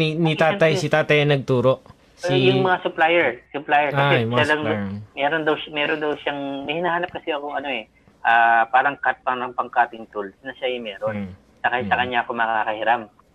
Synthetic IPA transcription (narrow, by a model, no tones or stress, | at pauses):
init̪aːt̪ɐjsɪt̪aːt̪ɐjɐnɐɡ̚t̪uːɾo̞ʔ | sijʊŋmɐŋasʊplajɛɹsʊplaːjɛɹkɐsɛmʃalaŋmɛːɾond̪ɐwmɛːɾond̪ɐwʃaŋmɐhɪnahaːnɐp̚kɐsɛɐkoŋɐno̞ɛ | ʔaːpaːɾɐŋkɐhat̪̚paɾɐŋpɐŋkaːt̪ɪŋt̪ulsnɐʃamɛːɾon | sɐkaːhɪt̪̚sɐkɐɲːaʔɐkomɐkakakɐhɪɾam